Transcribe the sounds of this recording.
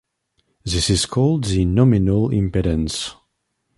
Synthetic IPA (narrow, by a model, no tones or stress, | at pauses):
zisiskʰɔlˠdzinɔminəlḭ̃mpɛɾə̃ns